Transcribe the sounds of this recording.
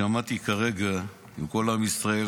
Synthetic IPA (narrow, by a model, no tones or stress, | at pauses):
amat̪ikaʁeɡa | imko̞lamisʁae